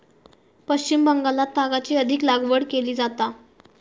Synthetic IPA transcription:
pəɕt͡ɕimbəŋɡalat̪ːaɡat͡siːəd̪ʱiklaɡʋəɽkeliːd͡zat̪a

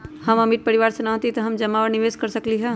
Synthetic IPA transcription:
hɐmɐmiʈ̚pɐɾiʋaːɾsenaɦt̪it̪ɐɦɐmd͡ʒɐmːaʋəɾniʋeːzkɐɾsɐkliɦɛ

